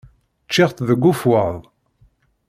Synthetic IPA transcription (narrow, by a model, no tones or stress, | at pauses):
t͡ʃːɪʁθðəɡʷːufwəðˤ